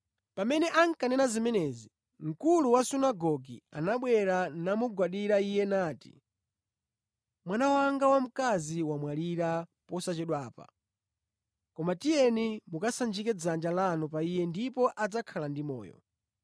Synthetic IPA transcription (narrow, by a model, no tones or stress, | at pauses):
pamɛnɛʔaŋ̩kanɛnazimɛnɛzi | ŋ̩kuluwasunaɡɔɡia̰naɓwɛɾanamuɡwaɗiɾaijɛnaːti̥̰ | mwanawaŋɡawam̩kaziwamwaliɾapɔsat͡ʃɛɗwaːpa̰ | kɔmatijɛnimukasand͡ʒikɛd͡zand͡ʒalanɔpaijɛndipɔʔad͡zakʰalandimɔ̰ːjɔ̰